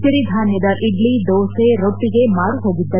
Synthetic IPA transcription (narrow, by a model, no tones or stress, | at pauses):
siɾid̪ʱaːnjɐd̪ɐʔiɖlid̪oːseɾoʈːiɡe̞maːɾuɦoːɡid̪ːɐ